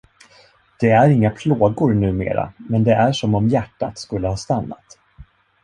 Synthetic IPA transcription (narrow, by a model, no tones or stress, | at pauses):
d̪̥ɛæɾɪŋːapʰloːɡʊɾnʉ̟ːmḛːɾa̰mɛnd̪ɛʔæʂɔmɔmjæʈːa̰t̪skɵlːəhɑːst̪anːa̰t̪